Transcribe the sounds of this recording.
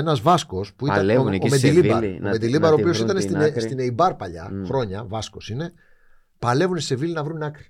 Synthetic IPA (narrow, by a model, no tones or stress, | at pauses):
enɐzvɐsko̞spuiɐmed̪ilibomed̪ilibɐɾoio̞sit̪ɐnest̪inst̪ineibɐɾpɐʎɐ̰xɾo̞ɲɐvɐsko̞sine̞ | pɐle̞vunsevilinɐvɾunɐkɾi̥